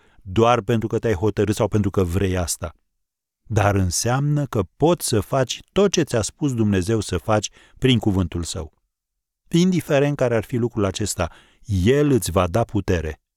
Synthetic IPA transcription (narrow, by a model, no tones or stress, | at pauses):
d̪oarpe̞nt̪ɾukət̪eajɦo̞t̪əɾɨt̪sawpent̪ɾukəvɾe̞jast̪a | d̪aɾɨnseamnəkəpo̞t̪sʲsəfat͡ʃʲt̪o̞t̪̚t͡ʃe̞t̪sʲaspus̬d̪umne̞ze̞wsəfat͡ʃʲ | pɾiŋkuvɨnt̪ulsə̰w | ind̪ife̞ɾe̞nt̪̚kaɾearfilukɾulat͡ʃe̞st̪a | je̞lɨt̪sʲvad̪aput̪e̞ɾe̞̰